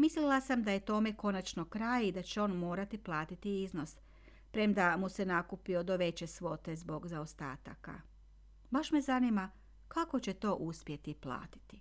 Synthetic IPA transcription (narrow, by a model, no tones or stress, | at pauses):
mislilˠasamd̪aje̞t̪o̞me̞ko̞nat͡ʃno̞kɾaːjid̪at͡ɕeo̞ːnmo̞ːɾat̪iplˠaːt̪it̪iizno̞s | pɾe̞md̪amuse̞nakupiod̪o̞ʋe̞t͡ɕe̞sʋo̞t̪e̞zbo̞ɡzaost̪a̰ːt̪a̰ka̰ | baʃme̞zanima | kako̞t͡ɕe̞t̪o̞ːʔuspje̞t̪iplˠa̰ːt̪i̥t̪i